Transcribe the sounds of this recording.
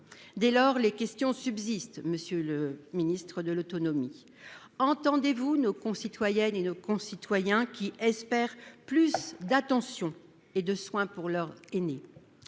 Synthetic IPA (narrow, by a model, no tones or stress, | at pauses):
d̪ɛlɔʁlekʲɛst̪jɔ̃sybzist̪məsjøləminist̪χəd̪əlot̪ɔnɔmi | ɑ̃t̪ɑ̃d̪evunokɔ̃sit̪wajɛnenokɔ̃sit̪wajɛ̃kʲiʔɛspɛʁplysd̪at̪ɑ̃sjɔ̃ | ed̪əswɛ̃puʁlœʁene